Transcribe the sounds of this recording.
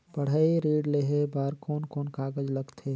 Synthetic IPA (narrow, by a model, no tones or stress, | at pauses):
pəɽ̤əiɾiːɖleɦebaːɾkɔːnkoːnkaːɡəd͡ʒləɡt̪ʰeː